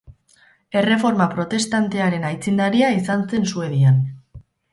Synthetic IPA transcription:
e̞re̞fo̞ɾmapɾo̞t̪e̞st̪ant̪e̞aɾe̞najt͡sind̪aɾiaisanse̞nsue̞ðian

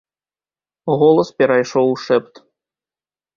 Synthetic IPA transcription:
ɣɔlˠɐspʲɛɾajʂɔwʂɛpt̪

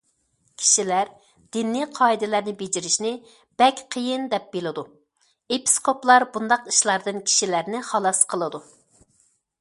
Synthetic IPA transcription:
kʲʰi̥ʃilæɾ | d̪̥ɪnːiqʰɑid̪ɪlæɾnɪbed͡ʒiɾɪʃnɪ | b̥ɛkʲqʰəjɨnd̪ɛp̚belˠɨd̪u | epʰi̥skʰoplˠɑɾbund̪ɑqi̥ʃlˠɑɾd̪ɨnkʲʰi̥ʃilæɾnɪχɑlˠɑsqʰəlˠɨd̪u

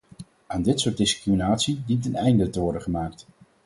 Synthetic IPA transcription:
aːndɪtsʊːdɪskriminaːtsidip̚tənɛjndətəʋɔɹdəχəmaːkt

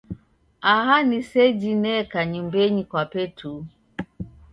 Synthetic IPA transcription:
aɦanisɛd͡ʒinɛkaɲumbɛɲikwapɛtʰu

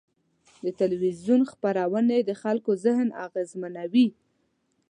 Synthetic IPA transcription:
d̪ət̪alwizjunxpaɾawəned̪əxalkozɪhna̰ɣezmanawi

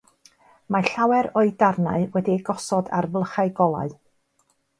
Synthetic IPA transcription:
maɬawɛɾɔɨdarna̰ɨwɛdiɡɔsɔda̰rvlˠəχaɨɡɔlˠa̰ɨ

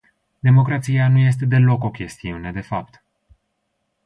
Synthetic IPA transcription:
d̪e̞mo̞kɾat̪sianuje̞s̬t̪e̞d̪e̞lo̞ko̞kʲe̞st̪iune̞d̪e̞fap̚t̪

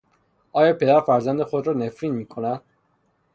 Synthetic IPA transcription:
ɒːjɒːpʰe̞d̪æɾfæɾzænd̪exod̪ɾɒːnefɾiːnmiːkʰonæd̪̥̚

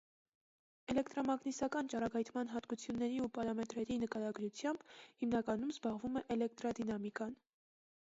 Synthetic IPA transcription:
ɛlɛkt̪ɾɔmɑɡnisɑkɑnt͡ʃɑɾɑɡɑjt̪ʰmɑnɦɑt̪kut͡sʰjunːɛɾiupɑɾɑmɛt̪ɾɛɾinəkɑɾɑɡɾut͡sʰjɑmb̥himnɑkɑnumzbɑʁvumɛʔɛlɛk̚t̪ɾɑd̪inɑmikɑn

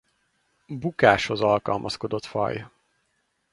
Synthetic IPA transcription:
bukaːʃhozɒlkɒlmʔɒskod̪o̞t̪fɒ̰j

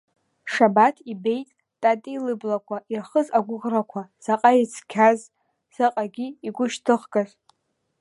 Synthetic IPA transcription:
ʂabatʰibe̞jtʼ | tʼatʼilɨblakʷʰaʔirχəzaɡʷʊʁrakʷʰaz̥aqʼajit͡sʰkʲʰaz | z̥ɨqʼaɡʲiːɡʷʊʃtʰɨχɡʼazʼ

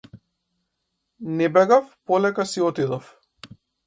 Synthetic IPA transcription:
nɛbɛɡafpɔlɛkasiɔt̪id̪ɔf

